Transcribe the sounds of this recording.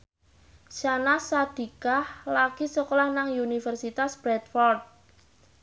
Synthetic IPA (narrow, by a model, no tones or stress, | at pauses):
ʃanasad̪̥i̤kahlaɡ̥isəkolahnaŋunifərsit̪asb̥ɾɛt̪̚fɔrd̪̚